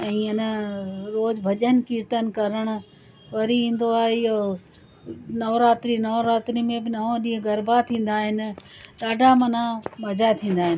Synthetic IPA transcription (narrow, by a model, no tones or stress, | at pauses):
ɛ̃ːɪnə̆ɾoːd͡ʑbʱɐʄən̆kiːɾt̪ənɪ̆kɐɾəɽ̃ʊ̆ | ʋɐɾiĩːn̆d̪oaːɦeo | nɐʋɾaːt̪ɾinɐʋɾaːt̪ɾimẽbɪnɐɦõɗĩːɦẽɡɐɾbʱat̪ʰĩːn̆d̪aːɦɪnɪ̆ɗaːɖʱamɐn̤ãmɐd͡ʑat̪ʰĩːn̆d̪aːɦɪnɪ̆